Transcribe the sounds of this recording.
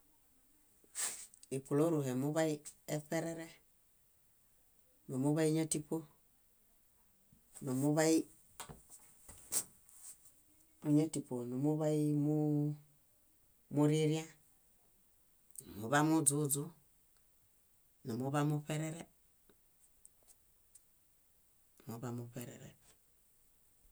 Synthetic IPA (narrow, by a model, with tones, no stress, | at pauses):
i˨ku˨lo˦ɾu˨ɦe˨mu˦βa˦i˦e˦pe˦ɾe˦ɾe˦ | no˨mu˦βa˦i˦ɲa˦ti˦po˦ | no˨mu˦βa˦i˦ | u˨ɲa˦ti˨po˨no˨mu˦βa˦i˦mu˦ | mu˦ɾe˦ɾi˦a˦ | nu˨mu˨βa˦mu˦zu˦zu˦ | nu˨mu˦βa˦mu˦pe˦ɾe˦ɾe˦˨ | mu˨ba˨mu˨pe˨ɾḛ˨ɾḛ˨